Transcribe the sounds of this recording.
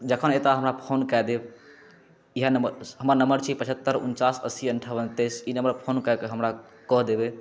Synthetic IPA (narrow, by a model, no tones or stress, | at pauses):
d͡ʒəkʰənet̪aɦəmɾapʰonkad̪eb | iɦanəməɦəmɾanəmbəɾt͡ʃʰipət͡ʃʰət̪ːəɾṵnt͡ʃasə̰siəɳʈʰəʋənt̪esinəməɾpʰonkakeɦəmɾa | kəɦd̪ebe